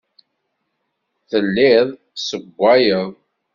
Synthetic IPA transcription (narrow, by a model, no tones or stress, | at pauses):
θəlːɪðˤ | səɡʷːæjəðˤ